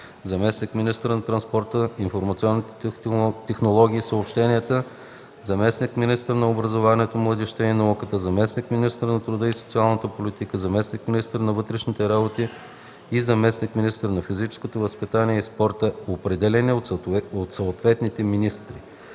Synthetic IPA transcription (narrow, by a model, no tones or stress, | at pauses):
zɐmɛsnikminist̪əɾnɐt̪ɾɐnspɔɾt̪əinfoɾmɐt̪siɔnːit̪ɛ̥t̪ɛxnolˠɔɡ̟ʲiːsəopʃt̪ɛniət̪ə | zɐmɛsnikminist̪əɾnɐobɾɐzovaniət̪omlˠəd̪ɛʃt̪əinɐukət̪əzɐmɛsnikminist̪əɾnɐt̪ɾʊd̪əiso̥t̪sialˠnət̪əpolit̪ikəzɐmɛsnikminist̪əɾnɐvɤt̪ɾɛʃnit̪ɛɾabot̪i | izɐmɛsnikminist̪əɾnɐfizit͡ʃɛ̥skot̪ovəspit̪aniɛispɔɾt̪əopɾɛd̪ɛlɛnʲiot̪sot̪vɛt̪nit̪ɛminist̪ɾḭ